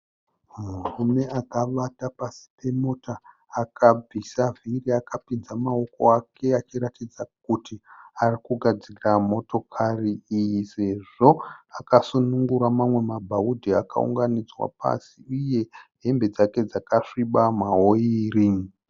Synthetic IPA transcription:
murume̞akaɓatapasi̥pe̞motaː | kabisavʱiriakapinzamao̞ko̞̰akʰe̞at͡ʃiɾatid͡zak̚utiarikuɡʱad͡ziiramo̞to̞kʰariijise̞ʐo̞akasunuŋɡuɾamamwe̞mabʱaudʱiaka̰ṵŋɡanid͡zwa̰pa̰siuje̞ɦe̞mbe̞d͡zake̞d͡zakaʂiɓamaɦo̞iri

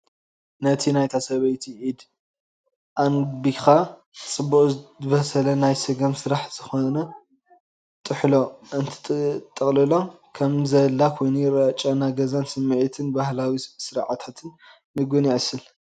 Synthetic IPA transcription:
nɐt̪ʰinajt̪ʰasɐβɐjt̪ʰiʕid̪ | ʔanbixa | t͡sʼɨbːuχʼβɐsɐlɐnajsɨɡɐmsɨɾaħz̥ɨxonɐ | t̪ʼɨħlo̞ʔɨnt̪ʰt̪ʼːɨχʼlɨlo̞ | kʰɐmzɐlːakʰojniɾɐt͡ʃʼːanaɡɐzansɨmːɨʕit̪ʰɨnbahlawisɨɾʕat̪ʰat̪ʰɨnː | ɨɡoniʕɨsɨl

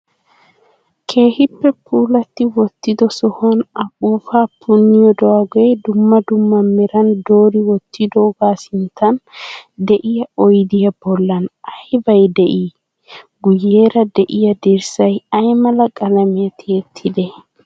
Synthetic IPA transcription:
kʰe̞ːhɪpːɛpʰuːlɐt̪ːɪwɔt̪ːɪd̪ɔsɔhɔnɐbuːfaːpʰʊnːɪjɔd̪ɔwɐɡɔjd̪ʊmːɐd̪ʊmːɐmːɛɾɐnd̪oːɾɪwɔt̪ːɪd̪oɡaːsɪnt̪ɐnd̪ɛʔɪjɐɔjd̪ɪjɐbɔlːɐnɐjbɐjd̪ɛʔiː | ɡʊjːe̞ːɾɐd̪ɛʔɪjɐd̪ɪɾsɐjɐjmɐlɐkʼɐlɐmɪjɐt̪ʰeːt̪ʰːɪd̪ɛ

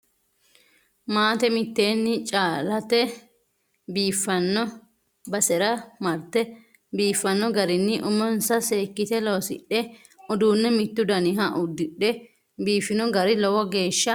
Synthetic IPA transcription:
maːt̪ɛmɪt̪ːe̞ːnːɪt͡ʃʼaːlɐt̪ɛ | biːfːɐnːɔ | bɐsɛɾɐmɐɾt̪ɛ | biːfːɐnːɔɡɐɾɪnːɪʔʊmɔnsɐse̞ːkːɪt̪ɛloːsɪ̰ɗːɛ | ʊd̪uːnːɛmɪt̪ːʊd̪ɐnɪɦɐʔʊd̪ːɪᶑɛ | biːfːɪnʊɡɐɾɪlɔwɔɡe̞ːʃːɐ

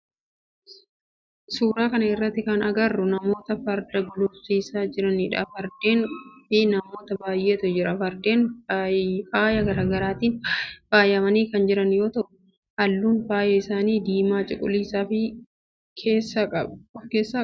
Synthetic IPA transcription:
suːɾaːkɐnɐɪrːɐt̪ːɪkɐnɐɡɐrːʊnɐmo̞ːt̪ɐfɐɾd̪ɐɡʊlɔfsiːsaːd͡ʒɪɾɐnɪᶑa̰fɐɾd̪eːnfɪnɐmo̞ːt̪ɐbaːjʔe̞ːt̪ʊd͡ʒɪɾɐfɐɾd̪e̞ːn | faːjɐɡɐɾaːɡɐɾaːt̪iːnfaːjɐmɐniːkɐnd͡ʒɪɾɐnjo̞ːt̪ɐʔʊ | ʔɐlːuːnfaːjɐɪsaːniːd̪iːmaːt͡ʃʼɪkʼʊ̰liːsaːfɪ | kʰeːsʼɐɔfkeːsːaː

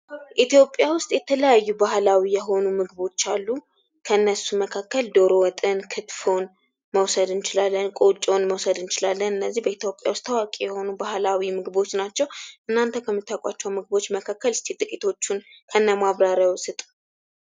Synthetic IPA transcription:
ʔit̪jo̞pʼːjawʊst̪ʼjɛt̪ʰələjajːubahlawijɛɦo̞numɨɡɨβo̞t͡ʃːalːu | kʰəɨnːəsuməkʰakːəld̪o̞ɾowt̪ʼɨnkʰɨt̪fon | məwsəd̪ɨnt͡ʃɪlalːənkʼot͡ʃʼonməwsəd̪ɨnt͡ʃɪlalːənɨnːəzːihbəit̪ʰjo̞pʼːja̰wʊst̪ːawakʼejɛho̞nubahlawimɨɡɨbo̞t͡ʃːnat͡ʃːɛwʔɨnːant̪ʰəkʰəmːɨt̪ʰːakʷʼa̰t͡ʃːɛwmɨɡɨbo̞t͡ʃːməkʰakːəlɨst̪ʰit̪ʼɨkʼit̪ʰo̞t͡ʃːunkʰəɨnːamaβɾaɾjawsɨt̪ʼu̥

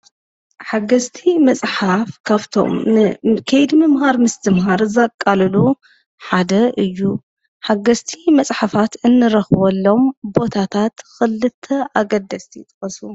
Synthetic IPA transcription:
ħaɡɐst̪ʰimɐsʼħafkʰaβt̪ʰo̰mkʰɐjd̪mɨmhaɾmɨst̪ʰɨmɦaɾzakʼːalɨlu | ħad̪ɐʔɨjːu | ħaɡɐst̪ʰimɐt͡sʼħafat̪ɨnːɨɾɐxβolːo̞mbo̞t̪ʰat̪ʰat̪xɨlɨt̪ʰːɐʔaɡɐd̪ːɐst̪ʰijɪt̪ʼɐxɐsu

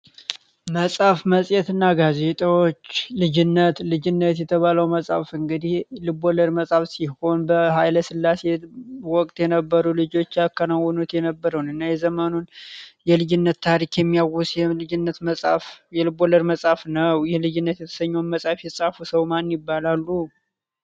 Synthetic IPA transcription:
məsʼafməsʼjɛt̪ɨnːaɡaze̞t̪ʼawot͡ʃːlɨd͡ʒɪnːət̪lɨd͡ʒɪnːət̪jɛt̪ʰəβaləwməsʼafɨŋɡɨd̪ihlɨboləɾməsʼafsiho̞nbəhajləsɨlːase̞wɔkʼt̪ʼjɛnəbːəɾulɨd͡ʒo̞t͡ʃːjakʰːənawɔnut̪jɛnəbːəɾəwnɨnːajɛzəmənunjɛlɨd͡ʒɪnːət̪ːʰaɾikjɛmːijawusjɛɨd͡ʒɪnːət̪məsʼafjɛlɨboləɾməsʼafnəwjɛlɨd͡ʒɪnːət̪jɛt̪ʰə̥səɲːonməsʼafjɛsʼafusəwmanjɪbːalalːu

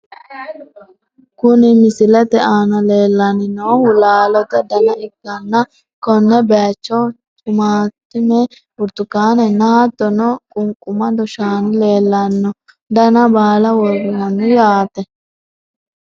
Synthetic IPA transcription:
kʊnɪmɪsɪlɛt̪ɛʔaːnɐleːlːɐnɪnoːhʊlaːlɔt̪ɐd̪ɐnɐɪɡːɐnːɐ | kɔnːɛbeːt͡ʃːɔw | t͡ʃʼʊmaːt̪ːɪmɛ | ʊɾt̪ʊkːaːnɛnɐɐt̪ːɔnɔkʼʊŋkʼʊmɐd̪ɔʃaːnɪleːlːɐnːɔ | d̪ɐnɐbaːlɐwɔɡʊnɐnːɪjaːt̪ɛ

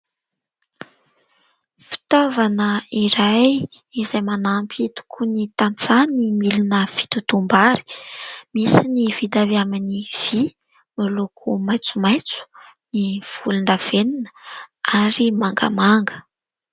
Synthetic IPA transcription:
fi̥t̪ovanəiɾaj | izajmanampit̪u̥kʰunit̪ant͡sanimilinəfi̥t̪ut̪umbaɾi̥misinivid̪aviaminiv̥i | milokʰumajt͡sumajt͡su̥ | niv̥ulund̪av̥eninə̥aɾimaŋɡa̰maŋɡə̥

